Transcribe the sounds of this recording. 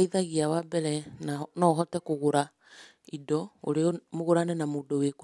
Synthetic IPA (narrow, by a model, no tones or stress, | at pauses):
iðaɣiawabɛɾɛnnɔɦɔtɛkoɣoɾa | idɔo̰ɾemoɣoɾanɛnamodowek